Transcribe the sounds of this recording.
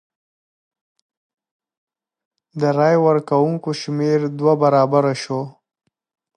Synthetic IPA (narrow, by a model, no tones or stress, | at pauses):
d̪əɾɑjwəɾkawuŋkoʃmeɾd̪wabaɾɑbaɾaʃo